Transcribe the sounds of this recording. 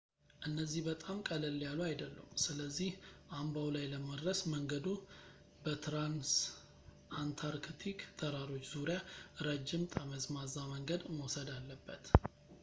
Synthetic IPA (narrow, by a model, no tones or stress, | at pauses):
ʔɨnːəzːihbət̪ʼamkʼələlːjaluajd̪əlːə̰msɨləzːihʔambawlajləməd̪ɾəsməŋɡəd̪u | bət̪ʰɾans | ant̪ʰaɾkt̪ʰikt̪ʰəɾaɾo̞t͡ʃːzuɾijaɾəd͡ʒːɪmt̪ʼəməzmazaməŋɡəd̪məwsəd̪alːəbːət̪